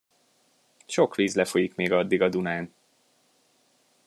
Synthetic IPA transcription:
ʃo̞kʋiːzlɛfojikmeːɡɒd̪ːiɡɒd̪unaːn

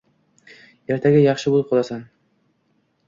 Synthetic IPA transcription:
e̞ɾt̪ʰaɡʲajɑχʃɪbolˠɪp̚qʰolˠasan

